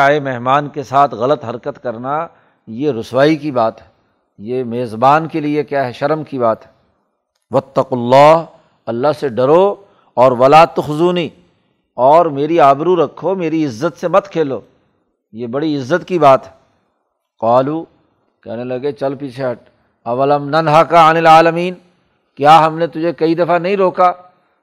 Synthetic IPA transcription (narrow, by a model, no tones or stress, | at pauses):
aːemeɦmaːnkesaːt̪ʰɣɐlət̪ɦɐɾkət̪kɐɾna | jeɾʊswaːikibaːt̪ɦɛ | jemeːzbaːnkeliekjaːɦɛʃɐɾmkibaːt̪ɦɛ | ʋɐt̪ːɐqʊlːaːɦ | ɐlːaɦseɖɐɾo | ɔːɾʋɐlaːt̪ːoxʊzuːni | ɔːɾmeːɾiaːbɪɾuɾɐkʰːomeːɾiɪzːət̪semɐt̪kʰeːloː | jebɐɽiɪzːət̪kibaːt̪ɦɛ | qaːluː | kɛ̰ːnelɐɡet͡ʃɐlpiːt͡ʃʰeɦɐʈ̚ | ɐʋɐlɐmnɐnɦakaɪnɪlaːləmiːn | kjaːɦɐmnet̪ʊd͡ʒʱekɐid̪ɐfanɐɦĩɾoːkaː